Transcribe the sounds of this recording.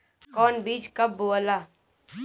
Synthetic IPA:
kɔːnbiːt͡ʃkɐbːoːəlaː

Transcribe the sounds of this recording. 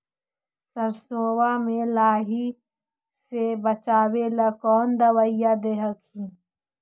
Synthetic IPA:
səɾsoːwamẽlaːɦi | sebət͡ʃaːwelɐkɔːnd̪əwəɪjad̪eːɦəkhĩː

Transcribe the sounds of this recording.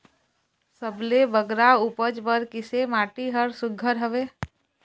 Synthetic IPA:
səblebəɡɾaupəd͡ʒbəɾkɪsemaːʈiɦəɾsʊɡʱəɾɦəʋeː

